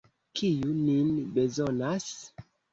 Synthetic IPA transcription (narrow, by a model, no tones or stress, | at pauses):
kʰijuninbezonas